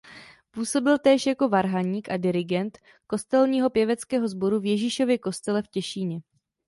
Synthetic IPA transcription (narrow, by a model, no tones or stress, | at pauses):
puːso̞bɪlt̪ɛːʃjako̞vaɾɦaɲiːkʔadɪɾɪɡɛnt̪ | ko̞st̪ɛlɲiːɦo̞pjɛvɛt͡skɛːɦo̞zbo̞ɾuvjɛʒiːʃo̞vjɛko̞st̪ɛlɛfcɛʃiːɲɛ